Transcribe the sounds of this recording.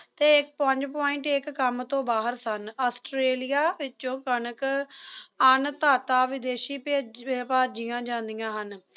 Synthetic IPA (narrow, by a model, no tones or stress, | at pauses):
t̪eːɪk̚pəɲd͡ʒpɔːɪ̃ɳʈɪkːəmt̪õːbaːɦəɾsənaːsʈɾeːlɪjaːʋɪt͡ʃõːkənək | ənt̪aːt̪aːʋɪd̪eːʃiːpaːd͡ʒɪjãːd͡ʒãːnd̪ijãːɦən